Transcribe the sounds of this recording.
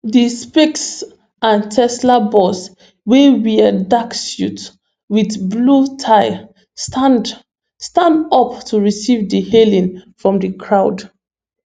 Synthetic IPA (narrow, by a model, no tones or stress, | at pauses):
ðispiks | ãntʰɛslabɔs | wɛwiədaksjṵt | wiðblutʰaɪ | stand | stãndʌptʰuɹisivdihelĩnfɹɔ̃mdəkʰɹaʊd